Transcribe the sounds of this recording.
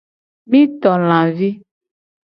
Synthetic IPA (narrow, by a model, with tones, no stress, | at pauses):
mĩ˦t̪ɔ˨l̃ã˨vi˦